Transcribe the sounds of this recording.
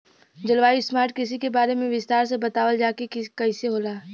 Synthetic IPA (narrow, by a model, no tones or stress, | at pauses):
d͡ʒɐlʋaːismaːɾʈ̚kɪs̬ikebaːɾemẽʋɪst̪aːɾsebɐt̪aːʋəld͡ʒaːkekɪkɐiseɦoːlaː